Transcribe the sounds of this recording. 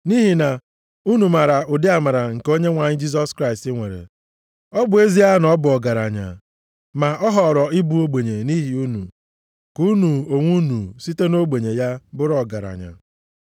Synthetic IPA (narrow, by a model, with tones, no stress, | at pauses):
ni˦ɦi˨na˨ | u˦nu˨ma˨ɾa˨ʊ˨dɪ˦a˨ma˨ɾa˨ŋ̩˨ko˦ɲe˦ŋʷa˨ɲɪ˦d͡ʒi˦s̬ɔ˦skɾa˦ɪ˨stɪ˦ŋʷe˨ɾḛ˨ | ɔ˦bʊ˨e˦zi˦ja˦nɔ˦bʊ˨ɔ˨ɡa˨ɾa̰˨ɲa̰˨ | ma˨ɔ˦ɦɔ˨ɾɔ˨ɪ˦bu˨o˦ɡ͡be˨ɲe˨ni˦ɦi˨u˦nṵ˨ | ku˦nu˨o˨ŋʷu˦nu˨si˦te˦no˦ɡ͡be˨ɲe˨ja˦bʊ˦ɾɔ˨ɡa˨ɾa̰˨ɲa̰˨